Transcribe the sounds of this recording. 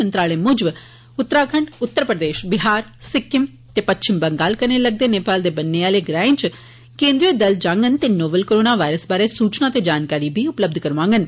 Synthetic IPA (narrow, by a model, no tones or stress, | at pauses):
ənt̪ɾaːleːmʊd͡ʒʋ | ʊt̪ːɾaːkʰəɳɖʊt̪ːəɾpɾəd̪eːʃbɪɦaːɾsɪkːɪm | t̪eːpətːʃʰɪmbəŋɡaːlkəneːləɡ̚d̪eːneːpaːld̪eːbənːeːaːleːɡɾaːɪ̃nt͡ʃ | kẽːnd̪ɾioːd̪əld͡ʒãːŋɡənt̪eːnoːbəlkoːɾoːnaːʋaːɾəsbaːɾeːsuːt͡ʃnaːt̪eːd͡ʒaːnkaːɾiːbʱiːʊpləb̚d̪ʱkəɾʋãːŋɡən